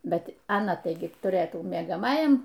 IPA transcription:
ˈbʲɛt ɐˈnɐ ˈtɐɪɡʲɪ tʊˈrɘtuː mʲiɛɡɐˈmɑːjɛm

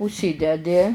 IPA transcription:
ʊʃʲˈsʲiːdʲɛdʲɪ

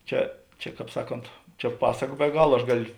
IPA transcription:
ˈt͡ʃʲɛ t͡ʃʲɛ ˈkɑːp ˈsɑːˌkoːnt t͡ʃʲɛ ˈpɑːsɐkɐ bʲɛ ˈɡɑːlˠɐ ɐʃ ˈɡɑːlʲoː

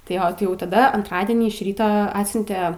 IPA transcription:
tɐɪ ˈjoː tɐɪ jɛʊ tɐˈdɐ ɐntˈrɑːdʲiɛnʲiː ɪʃ ˈrʲiːtoː ˈɑːtʲsʲʊnʲtʲɛ

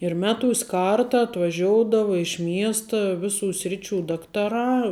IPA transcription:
ɪr ˈmʲæːˌtuːsʲ ˈkɐrtɐ ɐtʋɐˈʒʲoːʊdɐʋɐ ɪʃ ˈmʲiɛstɐ ˈʋʲɪˌsuː ˈsʲrʲɪˌt͡ʃʲuː ˈdɑːktɐˌrɑː

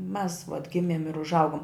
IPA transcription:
mʲɛs ʋɐt ˈɡʲɪmʲeːm ɪr ʊʒˈɐʊɡoːm

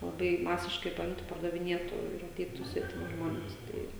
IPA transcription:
lˠɐˈbɐɪ ˈmɑːsʲɪʃkɐɪ pɐˈɪmtʊ pɐrdɐʋʲɪˈnʲiɛtʊ ɪr ɐˈtʲɛɪtʊ sʲʋʲɛtʲɪˈmʲɪ ˈʒmoːnʲɛs ˈtɐɪ

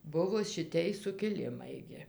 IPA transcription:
ˈbʊʋoː ʃʲɪˈtʲɛj sʊkʲɪˈlʲɪmɐɪ ɡʲɪ

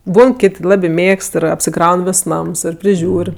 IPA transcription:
ˈbuːn ˈkʲɪtʲ ˈlˠɑːbʲɪ ˈmʲeːkst ɪr ɐpʲsʲɪˈkrɐʊn ˈʋʲɪs ˈnɐms ˈɪr pʲrʲɪˈʒʲuːrʲ

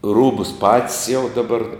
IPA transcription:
ˈruːbʊs pɐtʲsʲ jɛʊ dɐˈbɐr

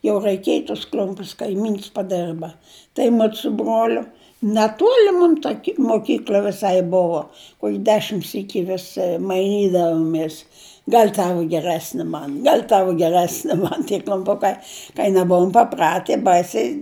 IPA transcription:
jɛʊ rɐɪˈkʲeːj tʊs ˈklʲʊmʲpʲʊs kɐɪˈmʲiːns pɐˈdʲɛrbɐ tɐɪ ˈmʊt sʊ ˈbroːlʲʊ nʲɛˈtuɔlʲɪ ˈmʊm tɐ kʲɪ moːˈkʲiːklʲɐ ʋʲɪˈsɐɪ ˈbʊʋoː ˈkuɔkʲ ˈdʲæːʃʲɪm ˈsʲiːkʲɪ ʋʲɪs mɐɪˈnʲiːdɐʋoːmʲeːs ˈɡɐlʲ ˈtɑːʋʊ ɡʲɛˈrʲæːsʲnʲɪ ˈmɐn ˈɡɐlʲ ˈtɑːʋʊ ɡʲɛˈrʲæːsʲnʲɪ ˈmɐn tʲiɛ klʲʊmˈpʊkɐɪ kɐɪ nʲɛˈbʊʊm pɐˈprɑːtʲɪ ˈbɐɪsʲɛɪ

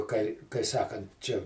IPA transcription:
kɐɪ kɐɪ ˈsɑːkɐnt ˈt͡ʃʲɛ

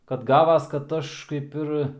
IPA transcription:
kɐt ˈɡɑːʋɐs kɐt ˈɐʃ kɐɪp ˈɪr

